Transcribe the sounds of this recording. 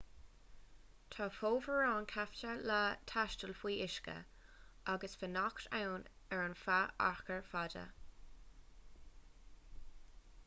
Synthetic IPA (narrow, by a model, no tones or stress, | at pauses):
t̪ʰɑːfoːvəɹɑːnkʰaft͡ʃəlat̪ʰaʃtəlfwiːɪʃkə̰ | ʔaɡəsfənaktawn | ɛɹanfaʔa̰ɹkəɹfadə̰